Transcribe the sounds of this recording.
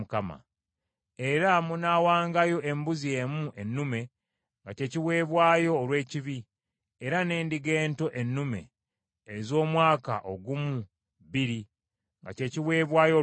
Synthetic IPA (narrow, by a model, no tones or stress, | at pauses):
ukama̰ | e̞ɾamunaːwaːŋɡajo̞ʔe̞mbuzie̞ːmuʔe̞nːume̞ | ŋɡace̞ːciβwe̞ːβwaːjo̞ːlwe̞ːciβi | eɾane̞ːndiɡe̞ːnto̞ʔe̞nːume̞̰ː | zo̞ːmwaːka̰ʔo̞ɡumu | βiɾi | ŋɡa̰ce̞ːciβwe̞ːβwaːjo̞